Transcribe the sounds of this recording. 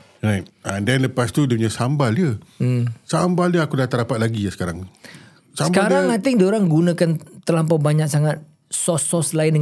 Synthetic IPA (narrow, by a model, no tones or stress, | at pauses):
rajt̚ɛ̃ndɛnləpast̪udəpuɲasambaliə | sambaldəakudat̪aɾdapat̪̚laɡiasə̥kaɾa̰ŋ | sasəbkaɾaŋat̪ɪŋdoɾaŋɡunãkant̪əlampabaɲak̚saŋat̪̚ | sɔsɔslaɪndə